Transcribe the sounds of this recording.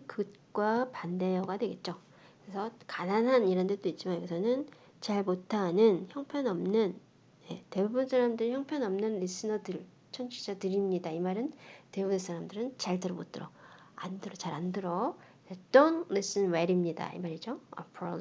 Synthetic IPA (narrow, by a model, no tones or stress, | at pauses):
kɯt̚k͈wapandejʌɡadwe̞ɡe̞t̚t͡ɕ͈o | kɯesʰʌkananɦaniɾandet͈oit̚t͡ɕ͈imajoɡesʰʌnɯn | t͡ɕaɭmotʰanɯnçjʌŋpʰjʌnʌmnɯn | je̞te̞bubɯnsʰaɾamdɯɾiçjʌŋpʰjʌnʌmnɯnɾis͈ʰɯnʌdɯɭ | t͡ɕʰʌnt͡ɕʰid͡ʑatɯɾimɲidaimaɾɯntebuɡɯnsʰaɾamdɯɾɯnt͡ɕaɭtɯɾʌmot͈ɯɾʌa̰ndɯɾʌt͡ɕaɾandɯɾʌ | ʌt͈ʌnles͈ɯnweɾimɲida̰ḭmaɾid͡ʑoʌ̰pʰɾʌ